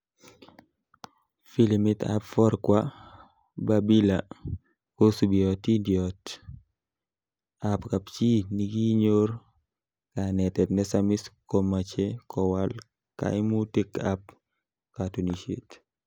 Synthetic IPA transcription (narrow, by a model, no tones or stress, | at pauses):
filimɪt̪a̰pfɔɾkwa | babila | kosubiɔtidjɔt | apkapt͡ʃiniɡiɲoɾ | kanɛtɛt̪nɛsamiskɔmat͡ʃekɔwal | ka̰ɪmutekap | katuniʃḛt